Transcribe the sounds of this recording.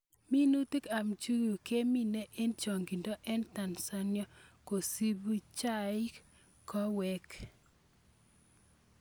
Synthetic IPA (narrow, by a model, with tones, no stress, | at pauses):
mi˦nu˦ti˦ka˨mt͡ʃu˦ju˨ke˦mi˦ne˦ʔe˦nt͡ʃɔ˨ŋɡi˨ndo˦ʔɛ˦nta˨nsa˦njɔ˦ko˨si˦bu˦t͡ʃa˦ɪ˦ | kɔ˦wɛ˦k